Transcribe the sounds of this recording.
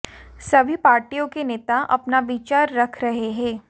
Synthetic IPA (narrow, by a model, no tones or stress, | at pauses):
sɐbʱipaːɾʈijõkeneːt̪aʔɐ̰pnaʋit͡ʃaːɾːɐkʰɾɐɦeɦɛ̃ː